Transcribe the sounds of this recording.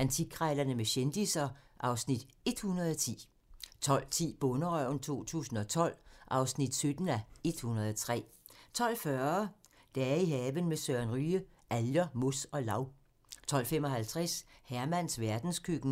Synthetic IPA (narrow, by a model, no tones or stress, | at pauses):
ʔænt͡sʰiɡ̥ʰʁɑɪlɐnəmeɕend̥isɐʔɑ̈ʊsnid̥e̝d̥hunɐð̞ˠɒt͡sʰḭː | t͡sʰɒ̽l̰t͡sʰḭːb̥ɔ̽nəœʊ̰n̩t͡sʰo̝̰ːt͡sʰṵːsn̩ɒ̽t͡sʰɒ̽l̰ʔɑ̈ʊsnid̥sød̥n̩æe̝d̥hunɐð̞ˠɒt͡sʰʁɛ̰ː | t͡sʰɒ̽l̰fɶːɐɐ | d̥ɛːiɦɛːʋənmesøɐnʁyːə | ʔæljɐmosɒ̽lɑ̈ʊ | t͡sʰɒ̽l̰femɒ̽hælt͡sʰʁɛshæɐmæn̰sʋæɐd̥n̩skʰyɡ̥n̩